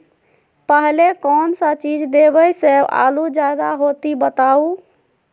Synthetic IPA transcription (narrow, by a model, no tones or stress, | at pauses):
pəɦlekɔnsə̃t͡ʃid͡ʒd̪ebəjsẽa̰lud͡ʒad̪aɦot̪ibət̪au